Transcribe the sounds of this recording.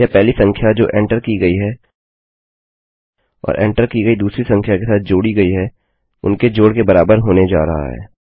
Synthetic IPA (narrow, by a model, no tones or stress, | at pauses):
japɛɦlisɐ̃ŋkʰjad͡ʒoːʔɛ̃ːɳʈəɾkiɡɐiɦɛː | ɔ̰ːɾʔɛ̰̃ːɳʈəɾkiɡəid̪uːsɾisɐ̃ŋkʰjakesaːt̪̚ʰd͡ʒoːɽiɡɐiɦɛː | ʊ̰nked͡ʒoːɽkebɐɾaːbəɾɦoːned͡ʒa̰ːɾɐɦa̰ɦɛ̰ː